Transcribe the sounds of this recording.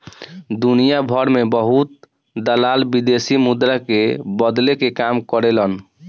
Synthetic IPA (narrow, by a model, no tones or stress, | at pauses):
d̪unijabʱəɾmebəɦut̪̚ | d̪əlalbid̪esimud̪ɾakebəd̪lekekamkəɾelən